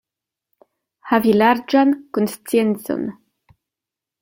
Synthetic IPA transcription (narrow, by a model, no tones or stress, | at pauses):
havilaɾd͡ʒankonst͡sient͡so̰n